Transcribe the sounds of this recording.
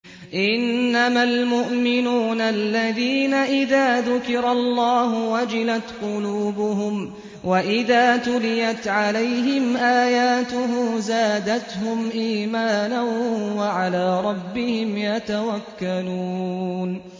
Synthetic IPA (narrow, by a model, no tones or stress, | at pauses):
ʔɪnːamalmʊʔmɪnuːnalːaðiːnaʔɪðaːðʊkɪɾɑlˤːɑːɦʊwad͡ʒɪlat̪qʊluːbʊɦʊm | waʔɪðaːt̪ʊlɪjat̪ʕalajɦɪmʔaːjaːt̪ʊɦʊmzaːd̪at̪hʊmʔiːmaːnanwaʕalaːɾˤɑbːɪhɪmjat̪awakːaluːn